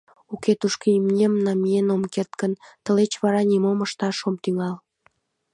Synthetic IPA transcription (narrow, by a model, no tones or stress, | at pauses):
ukʰet̪uʃkimnʲemnɑmienomkert̪kənt̪əlet͡ɕβɑɾɑnʲimoməʃt̪ɑʃomt̪yŋɑl